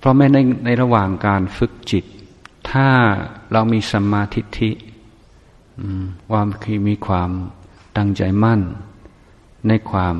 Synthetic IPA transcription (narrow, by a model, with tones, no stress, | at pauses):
pʰɾɔ˦˥mɛː˦˥˩na˧jna˧jɾa˧waː˨˩ŋkaː˧nfɯ˦˥k̚t͡ɕi˨˩t̪ʰːaː˥˩ɾa˧wmiː˧sa˧maː˧t̪ʰi˦˥t̪ʰi˦˥ | ʔɯː˧waː˧mkʰɯ˧˩miː˧kʰwaː˧m | t̪a˥˩ŋt͡ɕa˧jma˥˩n | a˧jkʰwaː˧m